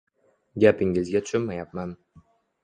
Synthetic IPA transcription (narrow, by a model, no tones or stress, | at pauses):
ɡʲapɪŋɪzɡʲat̪ʰʊ̥ʃʊnmajap̚man